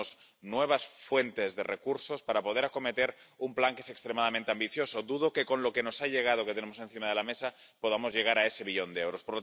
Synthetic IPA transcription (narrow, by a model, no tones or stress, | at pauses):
snwe̞β̞asfwe̞nt̪e̞zðe̞̰rekuɾso̞spaɾapo̞ð̞e̞ɾako̞me̞t̪e̞ɾumplaŋkeese̞kst̪ɾemaðamẽnt̪eambiθjo̞soðuðo̞ke̞ko̞nlo̞ke̞no̞saʎe̞ɣ̞að̞oket̪e̞nemose̞nθimaðe̞lamesa | po̞ð̞amo̞zʝe̞ɣaɾae̞se̞βiʎo̞nd̪eewɾo̞spoɾlo